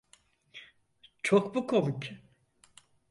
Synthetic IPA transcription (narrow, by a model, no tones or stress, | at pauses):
t͡ʃʰokbukʰomuc